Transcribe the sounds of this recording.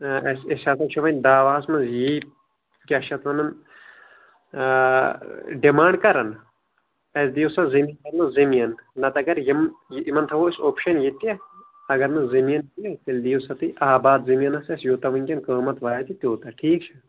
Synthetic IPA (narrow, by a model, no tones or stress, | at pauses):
ɐsesaːt̪ʰɐt͡ʃʰuʋɐnʲd̪aːʋaːɐsmɐnzjiː | kʲɐʃɐt̪ʋɐnɐn | ɖimãːɳɖkɐɾɐn | ɐsd̪ijosɐzɐmɐnkɐɾnɨzɐmijɐnːɐt̪ɐɡɐɾjimimɐnt̪ʰɐʋoisʲoːpʃɐnjit̪e | ɐɡɐɾnɨzɐmijɐnkijɐt̪ild̪ijusɐt̪ɨʔaːbaːd̪zimijɐnɐsɐsjoːt̪ɐʋɐnʲkʲɐnkəːmɐt̪ʋaːjɐt̪it̪ʲoːt̪ɐʈʰiːk̚t͡ʃʰɐ